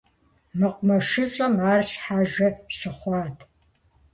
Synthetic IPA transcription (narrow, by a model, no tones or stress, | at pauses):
mɨqʷʼmɐʃɨɕʼɐmaːrɕħaːʒɐɕɪχʷɑːtʰ